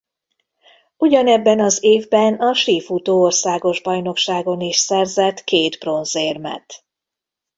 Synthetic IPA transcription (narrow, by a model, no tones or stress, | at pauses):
uɟɒnɛbːɛnɒzeːvbɛnɒʃiːfut̪oːorsaːɡo̞ʒbɒjno̞kʃaːɡo̞niʃsɛrzɛt̪keːt̪bro̞nzeːrmɛ̰t̪